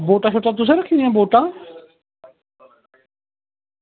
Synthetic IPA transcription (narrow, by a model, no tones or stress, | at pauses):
boːʈaːt͡ʃʰoʈat̪ʊs̬eɾəkʰĩãboːʈaː